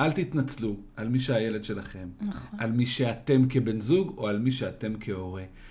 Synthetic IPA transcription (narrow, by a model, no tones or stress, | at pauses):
ʔalt̪it̪nat͡slu | almiʃeaje̞le̞d̪ʃe̞laχe̞malmiʃeat̪e̞mke̞be̞nzuɡo̞almiʃeat̪e̞mkʰe̞o̞ʁe̞